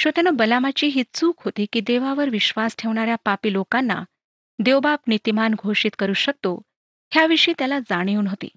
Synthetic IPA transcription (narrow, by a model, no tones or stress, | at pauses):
ɕot̪janobəlamat͡ɕiːɦiːt͡suːkɦot̪iːkiːd̪eʋaʋəɾʋiɕʋasʈʰeʋɳ̃aɾjapapiːlokanːa̰ | d̪eʋbabnit̪imanɡʱoʂiːt̪kəɾuːɕək̚t̪o | ɦjaʋiʂiːt̪jalad͡zaɽ̃iunɦot̪ḭː